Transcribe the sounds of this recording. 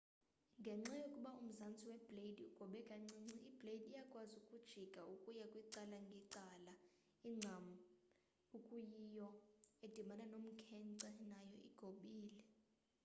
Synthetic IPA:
ŋɡʱɛŋ͡ǀajokʼuɓaum̩zant͡sʼiwɛb̥lediuɡ̥ʱɔɓɛkʼaŋ͡ǀɛŋ͡ǀɛib̥ledijakʼwazukʼud̥ʒ̥ʱiɡ̥ʱaukʼujakʼwiǀalaŋɡʱiǀala | iŋ͡ǀʱamu | ukʼujijɔed̥ʱimananom̩kʰɛnǀɛnajɔʔiɡ̥ʱoɓiːlɛ

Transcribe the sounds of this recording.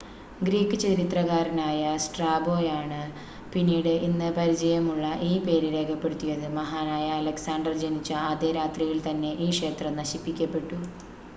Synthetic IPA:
ɡɾiːkːɨt͡ɕɐɾit̪rɐɣaːɾɐnaːjɐsʈraːbo̞ːjaːɳɨ | pinːiːɽɨʔinːɨpɐɾid͡ʑɐjɐmuɭːɐʔiːpe̞ːɾiɾe̞ːkʰɐpːe̞ɽut̪ːijɐðɨmɐɦaːnaːjɐːlɐksaːɳɖɐrd͡ʑenit͡ɕːɐːðe̞ːɾaːt̪rijilt̪ɐnːe̞ʔiːkʂe̞ːt̪rɐmnɐɕipːikʲːɐpːe̞ʈːu

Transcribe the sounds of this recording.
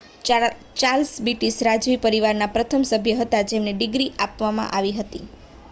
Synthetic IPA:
t͡ʃalsbiʈisɾad͡ʒʋipəɾiʋaɾnapɾət̪ʰəmsəbʱjəɦət̪ad͡ʒemneɖɪɡɾiʔapʋamã̰ʔaʋiɦət̪i

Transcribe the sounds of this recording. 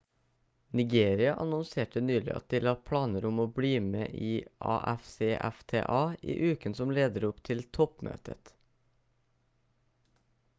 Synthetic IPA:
nɪɡeːɾɪɑʔɑnʊnseːʈənyːlɪ̰ʔɑ̰t̪̚d̪iːlɑːpʰɽɑːnəɾʊmoːbɽiːmḛːʔiːʔɑ̰ːʔæfseːʔæ̰ft̪ʰḛːʔɑːḭːʔʉːkənsɔmleːd̪əɾʊpt̪ʰɪlt̪ʰɔpmø̰ːt̪ʰə̰t̪

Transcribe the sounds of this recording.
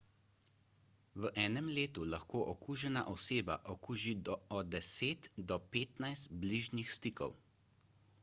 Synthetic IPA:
ʋəʔɛːnɛmleːt̪ulaxkoːʔɔkuːʒɛna̰ʔɔseːba̰ʔɔkuːʒid̪ɔɔd̪ɛseːt̪d̪ɔpeːt̪najst̪bliːʒnixst̪iːkɔ̰w

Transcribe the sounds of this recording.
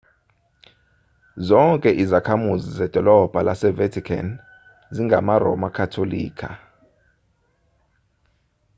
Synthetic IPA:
zɔŋkʼɛʔizakʰamuzizɛd̥ʱɔlɔb̥ʱalʔasɛvɛtʰikʰa̰n | ziŋɡʱa̰marɔ̰makʰatʰolḭːkʰa

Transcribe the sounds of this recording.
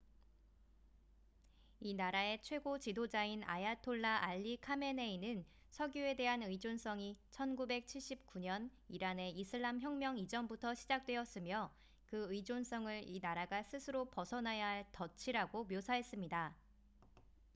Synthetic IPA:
inaɾae̞t͡ɕʰwe̞ɡot͡ɕidod͡ʑaina̰jatʰoɭːaʔaʎːikʰame̞ne̞inɯn | sʰʌɡjue̞de̞ɦanɯid͡ʑons͈ʌŋit͡ɕʰʌnɡube̞k̚t͡ɕʰiɭɕ͈ip̚k͈uɲʌniɾane̞isʰɯɭːamçjʌŋmjʌŋid͡ʑʌmbutʰʌɕʰid͡ʑak̚t͈we̞ʌs͈ɯmjʌ | kɯɯid͡ʑons͈ʌŋɯɭinaɾaɡasʰɯsʰɯɾopʌsʰʌnajaɦɭtʌt͡ɕʰiɾaɡomjosʰaɦe̞s͈ɯmɲida

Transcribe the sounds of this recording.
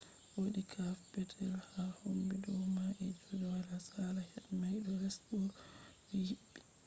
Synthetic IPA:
woɗikʰafbɛdɛlhahombidɔwmaʔɛd͡ʒodɛwalasalahɛɗmajɗɔlɛsbɔɾ | ijiɓːɛ

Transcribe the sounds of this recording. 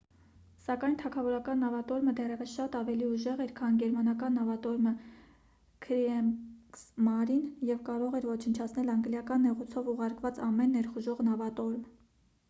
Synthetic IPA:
sɑkɑjnt̪ʰɑkʰɑvɔɾɑkɑnːɑvɑt̪ɔɾməd̪ɛrɛvəsʃɑt̪ɑvɛliuʒɛʁɛɾkʰɑnɡɛɾmɑnɑkɑnːɑvɑt̪ɔɾmə | kʰɾiɛsmɑɾinjɛvkɑɾɔʁɛɾvɔt͡ʃʰənt͡ʃʰɑt͡sʰnɛlɑŋɡljɑkɑnːɛʁut͡sʰɔvuʁɑɾkvɑt͡sɑmɛnːɛɾχuʒɔʁnɑvɑt̪ɔɾm

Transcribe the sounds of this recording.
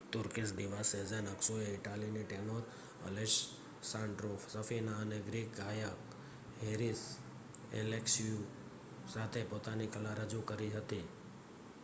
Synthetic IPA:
t̪ʊɾkisd̪iʋased͡ʒenəksueɪʈaliniʈenoɾ | ə̰leʃ | sãɳɖɾofsəfinaəneɡɾik̚ɡajək | ɦeɾis | ḛlekʃiu | sat̪ʰepot̪anikəlaɾəd͡ʒukəɾiɦət̪i

